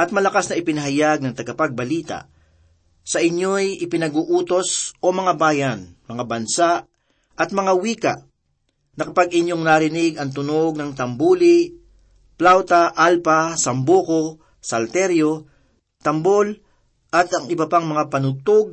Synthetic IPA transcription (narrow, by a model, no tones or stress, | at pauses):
ʔɐt̪̚mɐlɐkasnɐʔɪpɪnɐɦɐjaɡ̚nɐŋt̪ɐɡɐpaɡ̚bɐliːt̪a̰ | sɐʔɪɲːojɪpɪnɐɡuʔuːt̪o̞sʔomɐŋabaːjɐnmɐŋabɐnsa | ʔɐt̪̚mɐŋawiːkaʔ | nɐkɐpaɡʔɪɲːoŋnaɾɪnɪɡɐŋt̪ʊnoɡ̚nɐŋt̪ɐmbuːli | plawt̪aʔalpasɐmboːko | sɐlt̪ɛɾjo | t̪ɐmbol | ʔɐt̪ɐŋɪbɐpaŋmɐŋapɐnʊt̪oɡ̚